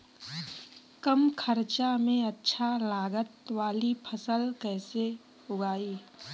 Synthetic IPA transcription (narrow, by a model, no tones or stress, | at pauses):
kəmkʰəɾt͡ʃamẽɐtːʃʰalaːɡət̪ʋaːlipʰəsəlkɛːse | ʊɡaːiː